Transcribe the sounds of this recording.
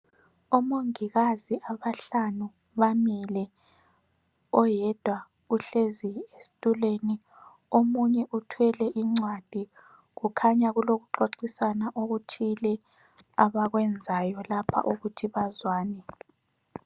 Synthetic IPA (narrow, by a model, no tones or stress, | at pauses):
umoŋiɣaziʔaβaɬanu | βamilɛ | ɔjɛd̥ʱwa | uɬeziesi̥tʼuleːni | omuɲɛʔutʰwɛlɛʔiŋ͡ǀwad̥ʱi | ɣukʰaɲaɣuloɣuǁoǃisanaʔoɣutʰilɛ | aβaɣwɛnd͡zʱajɔlapʰa̰ʔuɣutʰiβazwaːnɛ